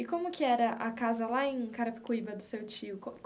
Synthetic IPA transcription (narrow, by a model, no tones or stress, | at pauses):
ɪkõmʊkɪɛɾɐʔɐkazɐlaẽj̃kaɾɐpɪ̥kuibɐd̪ʊsewt͡ʃiʊko